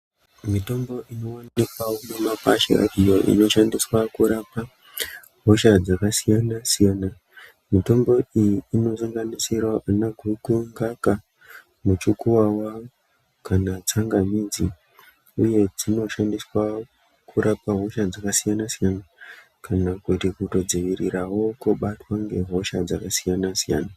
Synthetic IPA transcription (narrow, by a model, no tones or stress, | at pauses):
mito̞mbo̞ʔino̞waikwawonemaka̰ʃra̰dʱijo̞ʔḭno̞ʃandiswakuɾapa | ɦo̞ʃad͡zakasijanasijana | mito̞mbo̞ijiːno̞saŋɡanisirwaʔanaɡʱuɡuŋɡaka | mut͡ʃukuwawa | kanat͡saŋɡamiːd͡zi | uje̞d͡zino̞ʃandiswa | kʰuɾʔapaɦo̞ʃad͡zakasijanasijana | kanakutikuto̞d͡ziʋirirawo̞koɓatwaŋɡe̞ɦo̞ʃad͡zakasijanasija̰ːna